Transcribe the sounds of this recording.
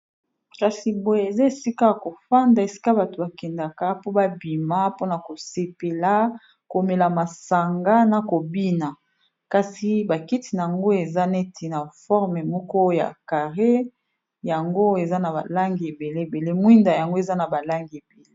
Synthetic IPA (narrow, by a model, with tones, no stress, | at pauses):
ka˨si˨bo˨je˨za˦e˨si˦ka˦ko˨fa˦nda˨e˨si̥˦ka˦ba˨to˨ba˨kɛ˨nda˨ka˦po˦ba˦bi˨ma˦po˦na˨ko˨se˨pe˨la˦ | ko˨me˨la˨ma˨sa˨ŋɡa˦na˨ko˨bi˦na˨ | ka˨si˨ba˨ki˦ti˨na˨a˨ŋɡo˦e˨za˦ne˦tʰi˨na˨fɔ˦ʁme˨mɔ˦kɔ˦ja̰˨ka˨ʁe˦ | ja˨ŋɡo˦e˨za˦na˨ba̰˨la˦ŋɡi˨e˨be˨le˦˨be˨le˦mwi˦nda˨ja˨ŋɡo˦e˨za˦na˨ba˨la˦ŋɡi˨e˨be˨le˦